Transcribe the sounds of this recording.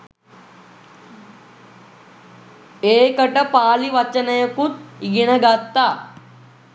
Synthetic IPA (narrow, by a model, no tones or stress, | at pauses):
eːkɐʈɐpaːliʋɐt͡ʃːɐnɐjɐkut̪iɡinɐɡɐt̪ːa